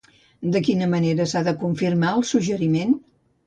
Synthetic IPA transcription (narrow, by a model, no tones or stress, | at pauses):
d̪əkinəməneɾəsaðəkuɱfirmaəlˠsuʒəɾimen